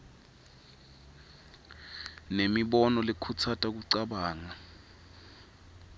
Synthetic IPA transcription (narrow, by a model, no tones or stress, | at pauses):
nemiɓɔnɔlekʰut͡sʰatʼak̬uǀaɓaːŋa